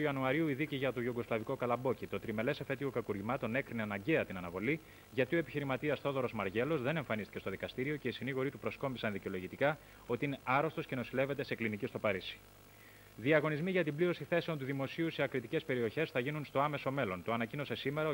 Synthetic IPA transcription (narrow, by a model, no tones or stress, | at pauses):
ɐnuɐɾiuiðiciʝɐt̪oʝuɡo̞slɐviko̞kɐlɐbo̞cit̪o̞t̪ɾime̞le̞sefe̞t̪iɣokɐkuɾʝimɐt̪o̞ne̞kɾineɐnɐɲɟe̞ɐt̪inɐnɐvo̞li | ʝɐt̪io̞e̞piçiɾimɐt̪iɐsθo̞ðo̞ɾo̞zmɐɾʝe̞lo̞zðe̞ne̞ɱfɐnist̪i̥ce̞st̪o̞ðikɐst̪iɾio̞ce̞isiniɣo̞ɾit̪upɾo̞sko̞mbisɐnðiceo̞lo̞ʝit̪ikɐ | o̞t̪iine̞ʔɐɾo̞st̪o̞sce̞no̞sile̞ve̞t̪e̞se̞klinicist̪o̞pɐɾisi̥ | ðiɐɣo̞nizmiʝɐt̪ibliɾo̞siθe̞se̞ont̪uðimo̞siuseɐkɾit̪ice̞spe̞ɾio̞çe̞sθɐʝinunst̪o̞ɐme̞so̞me̞lo̞nt̪o̞ɐnɐcino̞se̞sime̞ɾɐo